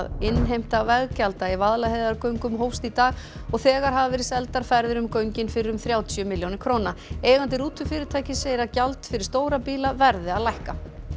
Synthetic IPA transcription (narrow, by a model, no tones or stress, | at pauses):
ðɪnːɦejm̥t̪avɛɣcalt̪aivaðlahejðaɾkœɥŋkʏmɦoːwfst̪it̪aːɣ | ɔɣθɛːɣaɾ̥ɦavavɪɾɪsɛlt̪aɾ̥faɾðɪɾʏmkœɥɲcɪnfɪɾɪʏmθɾjaːwt̪ʰʏmɪljownɪkʰɾownaeːjɣant̪̬ɪɾuːt̪ʰʏfɪːɾɪɾt̪ʰaːjcɪseːjɾacalt̪fɪɾɪ̥ɾ̥st̪oːwɾapiːlavɛɾðɪaðlajhka